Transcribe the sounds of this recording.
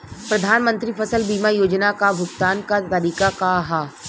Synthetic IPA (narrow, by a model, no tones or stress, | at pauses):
pɾɐd̪ʱaːnmə̃nt̪ɾipʰɐsəlbiːmajoːd͡ʒnakabʱʊɡt̪aːnkat̪ɐɾiːkakaɦaː